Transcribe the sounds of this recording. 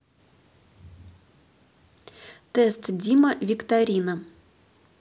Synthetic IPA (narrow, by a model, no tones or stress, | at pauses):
t̪ɛst̪dʲiməvʲɪkt̪aɾʲinə